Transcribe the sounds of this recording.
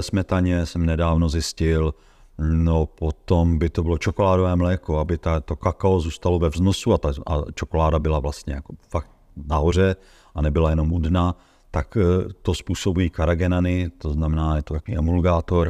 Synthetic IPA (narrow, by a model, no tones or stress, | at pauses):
ɛsmɛt̪aɲɛsɛmnɛdaːvno̞zɪscɪl | nopot̪ombɪt̪obɪlot͡ʃokolaːdovɛːmlɛːkoabɪt̪at̪okakaozuːst̪alovɛvznosuat̪aa̰t͡ʃokolaːdabɪlavlast̪ɲɛ̰jakofak̚t̪̚ | naɦor̝ɛ | ʔanɛbɪlajɛno̞mudna | t̪akt̪ospuːso̞bujiːkaɾaɡɛnanɪt̪oznamɛnaːjɛt̪ot̪akoviːʔɛmulɡaːt̪o̞ɾ